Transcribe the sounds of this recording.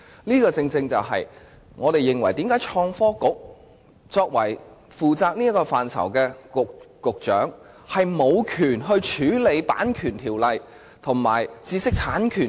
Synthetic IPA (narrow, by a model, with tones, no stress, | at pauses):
liː˥kɔː˧t͡sɪ˧ŋt͡sɪ˧ŋt͡sɐ˨wɦɐ̰˨j | ŋɔː˨˧t̪e˨jɪ˨ŋwɐ˨˩jt̪iː˨˥mkaː˨˥jt͡ʃʰɔː˧ŋfɔː˥kʊ˨˥k̚ | t͡sɔː˧k̚wɐ˨˩j | fuː˨t͡saː˧k̚niː˥ɐ˥kɔː˧faː˨˩nt͡sʰɐ̰˨˩wkɛː˧ʊ˨kʊ˨k̚t͡ʃœ̰ː˨˥ŋ | hɐ˨jmo˨˧wkʰyː˨˩nɦɵ˧ɥt͡ʃʰyː˨˥le˨˧jpa̰ː˨˥nkʰyː˨˩nt̪ʰiː˨˩wlɐ˨j | t̪ʰʊ˨˩ŋma̰ː˨˩jt͡siː˧sɪ˥k̚t͡sʰaː˨˥nkʰyː˨˩